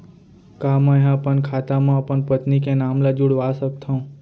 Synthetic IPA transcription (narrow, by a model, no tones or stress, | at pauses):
kamãeɦãpənkʰat̪amãpəɳpət̪nikẽnamlad͡ʒuɽʋasək̚t̪ʰəũ